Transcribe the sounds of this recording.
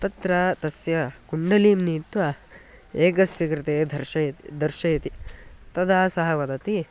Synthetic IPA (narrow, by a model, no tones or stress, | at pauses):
t̪ɐt̪ɾɐːt̪ɐsjɐkuɳɖɐliːmniːt̪ʋɐ | eːkɐsjɐkɾɪt̪eːd̪ʱɐɾʃɐjɐt̪id̪ʱɐɾʃɐjɐt̪it̪ɐd̪aːsɐɦɐʋɐd̪ɐt̪i